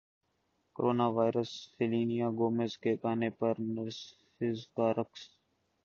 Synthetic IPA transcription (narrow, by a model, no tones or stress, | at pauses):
koɾoːnaːʋaːɪɾəsfeliːnijaːɡoːmezkeːkaːneːpəɾnəɾsfɪzk̪aːɾəks